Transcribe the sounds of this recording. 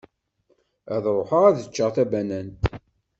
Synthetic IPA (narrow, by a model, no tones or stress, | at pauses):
æðɾˤoħəʁæðət͡ʃːəʁθæbænænt̪